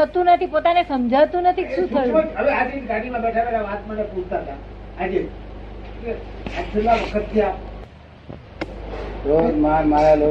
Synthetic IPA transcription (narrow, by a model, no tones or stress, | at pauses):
ət̪ũnət̪ʰipot̪anesəmd͡ʒʱaʋt̪ũnət̪ʰikʃũt̪ʰəjuəʋead͡ʒɾit̪ɡaɽimãbɛʈʰaʋelaʋat̪mənepud͡ʒʰt̪at̪a | ad͡ʒe | keat͡ʃʰeɾʋaʋəkʰət̪ːija | ɾod͡ʒmamajalo